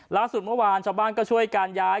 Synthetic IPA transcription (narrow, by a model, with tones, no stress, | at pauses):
laː˥˩su˨˩t̪̚mɯ˥˩˨waː˧nt͡ɕʰaː˧wbaː˥˩nkɔː˥˩t͡ɕʰu˥˩əjkaː˧njaː˦˥